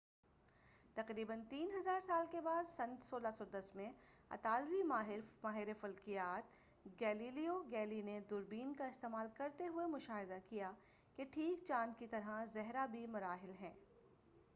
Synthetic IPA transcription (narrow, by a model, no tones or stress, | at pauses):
t̪ɐqɾiːbənt̪iːnɦɐzaːɾsaːlkebaːd̪sɐ̃nsoːlasɔːd̪ɐsmẽɐ̰t̪aːlwimaɦmaːɦɪɾefɐlkɪjaːt̪̚ | ɡɛːliːlijoɡɛːlined̪ʊɾbiːnkaɪst̪eːmaːlkɐɾt̪eɦʊemʊʃaːɦɪd̪akijaː | keʈʰiːk̚t͡ʃãːnd̪̚kit̪ɐɾɦazɛɦɾabʱimʊɾaːɦɪlɦɛ̃ː